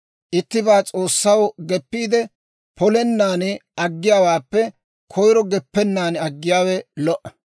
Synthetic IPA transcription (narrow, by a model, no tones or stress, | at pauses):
ʔɪt̪ːɪbaːt͡sʼo̞ːsːɐwɡɛpːiːd̪ɛ | pʰɔlɛnːaːnɪʔɐɡːɪjaːwaːpːɛ | kʰɔjɾɔɡɛpːɛnːaːnɐɡːɪjaːwɛlɔʔɐ̥